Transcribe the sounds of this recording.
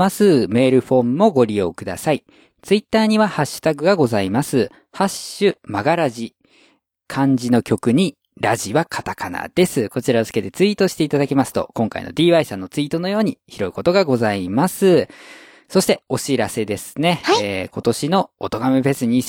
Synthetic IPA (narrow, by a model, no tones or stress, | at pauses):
asɨme̞ːɾɯ̟ɸo̞ːmːo̞ɡo̞ɾʲijo̞̰ːkɯ̟d̪a̰sai | t͡sɨit̪ːaːɲ̟iβahaɕːɨ̥t̪aɡɯ̟ɡaɡo̞zaimasɨ | haɕɨmaɡaɾaʑi | kʰãɲ̟d͡ʑino̞kʲo̞kɯ̟ɲ̟i | ɾaʑiβakʰat̪akana̰d̪̥e̞sɨko̞t͡ɕiɾazɨ̥ke̞t̪e̞t͡sɨiːt̪o̞ɕi̥t̪e̞it̪ad̪akʲimasɨ̥t̪o̞̰kõ̞ŋka̰ḭno̞̰d̪ʲiːβaisãnːo̞t͡sɨit̪o̞no̞jo̞ːɲ̟içiɾo̞iko̞t̪o̞ɡaɡo̞zaimasɨ | so̞ɕi̥t̪e̞o̞ɕiɾase̞d̪e̞sɨ̥ne̞ko̞t̪o̞ɕino̞ot̪o̞ɡamebe̞sɨɲ̟i